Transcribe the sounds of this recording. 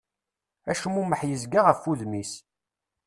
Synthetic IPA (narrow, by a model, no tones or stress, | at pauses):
æʃmuməħjəzɡaʁəfːuðmis